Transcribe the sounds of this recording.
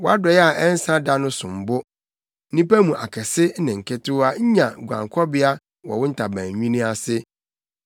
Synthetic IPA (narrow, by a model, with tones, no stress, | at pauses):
wɔ˦a˦dɔ˨jɛ˦a˨ʔɛ˦n̩˦sã˦da˦nʊ̃˦sʊ̃˨m̩˨bʊ˦ | nĩ˦pæ˦mũ˨ʔa˨kʰɛ˨sɪ˦nɪ̃˨ŋ̩˨kʰɪ˦tʊ˦a˦ɲ˦ɲã˨ɡʷã̰˨ŋkʰɔ˦bɪ˦a˦ | wɔ̰˨wʊ̃˦n̩˦tʰa˨bæ̃ː˨ɲ˨ɲᶣĩ˦nĩ˦a˨sɪ˦